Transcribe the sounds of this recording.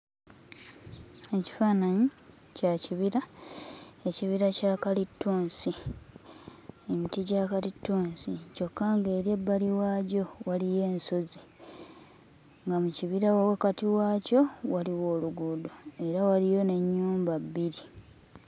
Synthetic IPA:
e̞ci̥faːnaɲi | caciβiɾa | e̞ciβiɾacaːkalitːuːnsi | emitiɟaːkalitːuːnsico̞kːaːŋɡe̞ːɾjebːaliwaːɟo̞walije̞ːnso̞zi | ŋɡamuciβiɾawawakatiwaːco̞waliwo̞ːluɡudoe̞ɾawalijo̞ne̞ɲːuːmbabːiɾi

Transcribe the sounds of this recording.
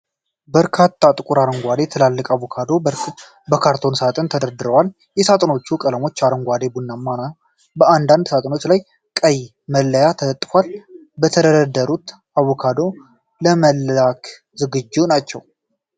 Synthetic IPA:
bəɾkʰat̪ʰːat̪ʼɨkʼuɾaɾəŋɡʷad̪e̞t̪ʰəlalːəkʼaβokʰad̪o | bəkʰaɾt̪ʰo̞nsat̪ʼənt̪ʰəd̪əɾd̪ɨɾəwal | jɛsat̪ʼəno̞t͡ʃːukʼələmo̞t͡ʃːaɾəŋɡʷad̪e̞bunːamːana | bəand̪and̪sat̪ʼəno̞t͡ʃlaj | kʼəj | məlːəjat̪ʰələt̪ʼːfwal | bət̪ʰəd̪əɾəd̪əɾut̪ | aβokʰad̪o̞ | ləməlakʰ | zɨɡɨd͡ʒːunat͡ʃːɛw

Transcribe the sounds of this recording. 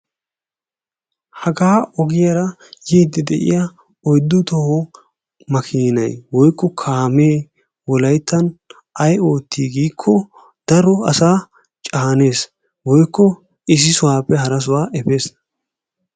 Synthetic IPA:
hɐɡaːɔɡɪjɐɾɐ | jiːd̪ːɛd̪ɛʔɪ̰jɐ | ɔjd̪ːʊt̪ɔhɔ | mɐkʰiːnɐ̰jwɔjkːɔkʰaːme̞ː | wɔlɐjt̪ːɐn | ʔɐjo̞ːt̪ːiːɡiːkʰːɔ | d̪̥ɐɾɔɐsaː | t͡ʃʼaːne̞ːs | wɔjkːɔ | ɪs̬ɪsʊwaːpːɛhɐɾɐs̬ʊwaːʔɛbeːs

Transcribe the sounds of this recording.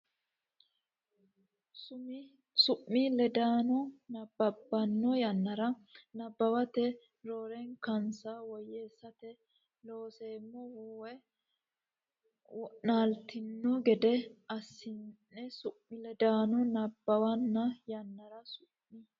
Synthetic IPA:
sʊmɪ | sʊʔːilɛd̪aːnɔnɐbːɐbːɐnːɔjɐnːɐɾɐnɐbːɐwɐt̪ɛ | ɾoːɾɛŋkɐnsawɔjeːsːɐt̪ɛ | lo̞ːseːmːɔhuwɛ | wɔnaːlt̪ɪnːɔɡɛd̪ɛɐsːɪnnːɛsʊʔːɪlɛd̪aːnɔnɐbːɐwɐnːɐjɐnːɐɾɐsʊmːi

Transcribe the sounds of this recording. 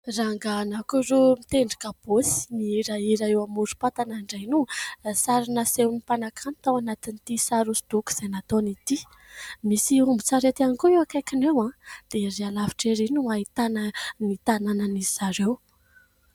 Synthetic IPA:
raŋɡanakuɾomit̪eɳɖ͡ʐḁkab̥osi̥niiɾaiɾaewamuɾu̥pat̪anaɳɖ͡ʐajnusaɾinəsewnipanakʰanit̪awanat̪init̪isaɾusi̥d̪̥uku̥z̥enat̪onit̪i | misiumbit͡saɾet̪ankuewakajkinewãd̪̥eɾealavi̥ʈ͡ʂeɾinuaɦit̪ananit̪ananəniz̥aɾew

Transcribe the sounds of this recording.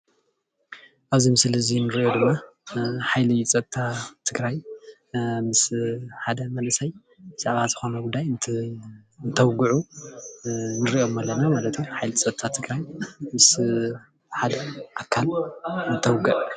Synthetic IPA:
ʔaβzimɨslɨzinɨɾiʔod̪ɨmːa | ħajlit͡sʼɐt̪t̪ʰːat̪ʰɨɡɾaj | mɨsħad̪ɐmɐnɐsɐj | bɨsaʕβazɨxo̞nɐɡud̪ajn | nt̪ʰɐwɡɨʕu | nɨɾiʔo̞mɐlːɐnamalɐt̪ʰujuħajlit͡sʼɐt̪ʰat̪ʰɨɡɾajmɨs | ħad̪ɐʔakʰːalɨnt̪ʰɐwɡɨʔ

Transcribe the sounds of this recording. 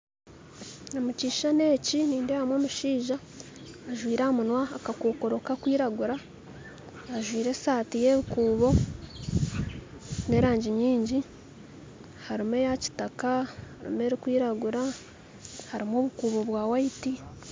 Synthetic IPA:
omuciːʃane̞ːciniːndehamwoːmuʃiːʒaː | ʒwiːɾamunwaːkakoːko̞ɾo̞kakwiːɾaɡuɾa | ʒwiːɾe̞saːtije̞βikuːβo̞ | ne̞ɾaːɲɟiɲiːɲɟi | haɾime̞jaci̥takahhaɾḭme̞ɾikwiːɾaɡuɾa | haɾimoːβukuːβo̞βwaːwaiti

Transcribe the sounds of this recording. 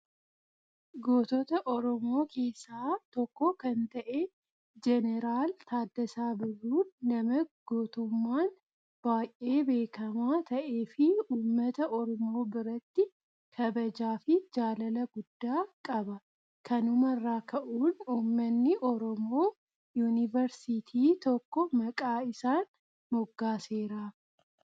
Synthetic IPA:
ɡo̞ːt̪ɔt̪ɐʔɔɾɔmo̞ːkʰe̞ːsːaːt̪ɔkːokɐnt̪ɐʔeː | d͡ʒɛnɛɾaːlt̪aːd̪ːɐsaːbɪrːuːɐmɐɡ̥oːt̪ʊmːaːn | b̥aːjʔʔe̞ːbe̞ːkɐmaːt̪ʰɐʔe̞ːfɪuːmːɐt̪ɐʔɔɾɔmo̞ːbɪɾɐt̪ːɪ | kʰɐbɐd͡ʒaːfɪd͡ʒaːlɐlɐɡʊd̪̥ːaːkʼɐbɐ | kɐnʊmɐrːaːkʰɐʔuːnuːmːɐnːɪʔɔɾɔmo̞ː | juːnɪvɐɾsit̪ʰiːt̪ɔkːɔmɐkʼaːɪsaːn | mɔɡːaːseːɾaː

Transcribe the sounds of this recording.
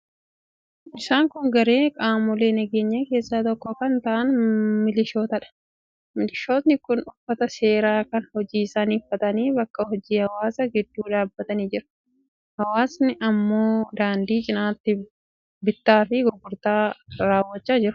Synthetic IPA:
ʔɪsaːŋkʊŋɡɐɾe̞ːkʼaːmʊle̞ːnɛɡe̞ːɲːɐke̞ːsːaːt̪ɔkːɔkɐnt̪ɐʔɐnmɪlɪʃo̞ːt̪ɐᶑɐ̥ | mɪlɪʃo̞ːt̪nɪkʊnʊfːɐt̪ɐse̞ːɾaːkɐnhɔd͡ʒiːsaniːfːɐt̪ɐniːbɐkːɐhɔd͡ʒiːhɐwaːsɐɡɪd̪ːuːᶑ̪aːbːɐt̪ɐniːd͡ʒɪɾɐ̥ | hɐwaːsnɪʔɐmːo̞ːd̪aːnd̪iːd͡ʒʼɪnaːt̪ːɪ | bɪt̪ːaːfɪɡɔɡːʊɾt̪aːɾaːwːɐt͡ʃːaːd͡ʒɪɾʊ̥

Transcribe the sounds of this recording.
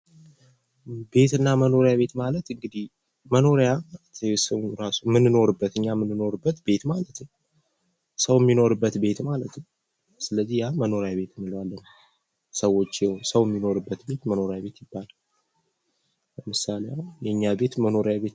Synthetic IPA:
be̞t̪ɨnːaməno̞ɾjaβe̞t̪malət̪ɨŋɡɨd̪ih | məno̞ɾejaat̪ʰɛsəwɾasumɨnːɨno̞ɾɨbːət̪ɨɲːamɨnːɨno̞ɾɨbːət̪be̞t̪malət̪n | səwjɛmːino̞ɾɨbːət̪be̞t̪malət̪n | sɨləzːihjaməno̞ɾejaβe̞t̪ʰɨmːɨləwalːən | səwːo̞t͡ʃːjɛhonsəwjɛmːino̞ɾɨbːət̪be̞t̪məno̞ɾejabe̞t̪jɪbːal | ləmɨsalejawjɛɨɲːabe̞t̪məno̞ɾejaβe̞t̪

